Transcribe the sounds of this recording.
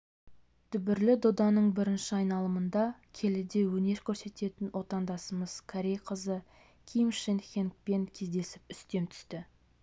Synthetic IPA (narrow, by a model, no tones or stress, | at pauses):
t̪ʰʏbɪɾlɪd̪o̞d̪ɑnəɴbɪɾɪnʃɪɑjnɑlˠəmənd̪ɑkʲʰe̞lɪd̪e̞wɵne̞ɾkʲʰɵɾse̞t̪e̞t̪ɪnwo̞t̪ɑnd̪ɑsəməz̥kʰaɾʲejqʰəzə | kʲʰijmʃenχʲeŋk̚pe̞ŋkʲʰe̞zd̪e̞sɪpʏst̪e̞mt̪ʰʏ̥st̪ɪ